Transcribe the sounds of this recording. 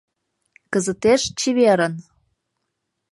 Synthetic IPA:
kəzə̆t̪eʃt͡ɕiβeɾə̆n

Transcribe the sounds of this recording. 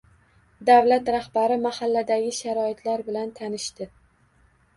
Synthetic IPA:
d̪awlat̪ɾahbaɾɪmahalːad̪aɡʲɪʃaɾɒɪt̪ʰlaɾbɪlant̪ʰanɪʃt̪ɪ

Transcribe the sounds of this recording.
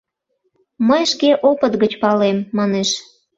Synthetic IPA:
məjʃkeʔopət̪ɣət͡ɕpɑlemːɑneʃ

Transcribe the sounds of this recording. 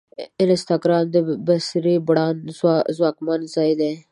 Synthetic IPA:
ɪnest̪ʰakɾaːnd̪ebɐsɾibɽaːnzwaːkmanzaːjd̪e

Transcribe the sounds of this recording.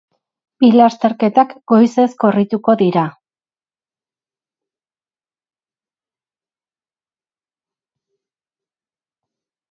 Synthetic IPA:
bilast̪e̞ɾke̞t̪akɡo̞jse̞skorit̪uko̞ðiɾa

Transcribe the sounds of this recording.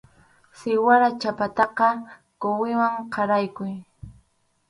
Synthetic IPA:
sɪwaɾat͡ʃapat̪ɑqɑ | kowɪwaŋqʰɑɾajkʊj

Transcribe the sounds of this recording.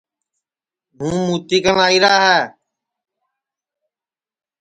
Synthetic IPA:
ɦũːmuːt̪iːkənaːiːɾaːɦɛː

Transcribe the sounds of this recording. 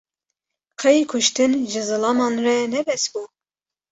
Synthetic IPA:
qʰɛjikʰʊʃt̪ɨnʒɨzɨlɑmɑːnrɛnɛbɛsbu

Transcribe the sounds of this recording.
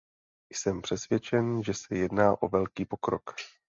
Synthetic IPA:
jsɛmpr̝̥ɛsvjɛt͡ʃɛnʒɛsɛjɛdnaːʔo̞vɛlkiːpo̞kɾok

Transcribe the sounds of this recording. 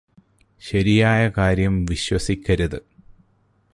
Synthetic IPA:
ɕɐɾijaːjɐkaːɾjɐmʋiɕwɐsikʲːɐɾɐðɨ

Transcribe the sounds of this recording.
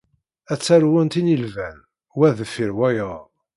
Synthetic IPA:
æt͡sːæɾwænt̪inilvæn | wæðəfiɾwæjə

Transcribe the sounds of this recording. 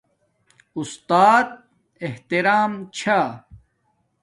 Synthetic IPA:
ust̪aːt̪̚ | eht̪iɾaːmt͡ɕʰa

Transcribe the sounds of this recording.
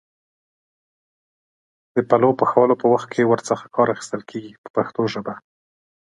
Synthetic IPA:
d̪̥əpalopəxawalopəwaxt̪̚kʰewəɾt͡səxḁkɑɾaxi̥st̪əlkʰeɡipə̥paxt̪oʒəba

